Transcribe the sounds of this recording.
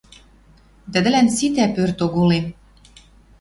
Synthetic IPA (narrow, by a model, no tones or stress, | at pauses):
t̪ə̆d̪ɘ̆lænsit̪æpørt̪oɣolem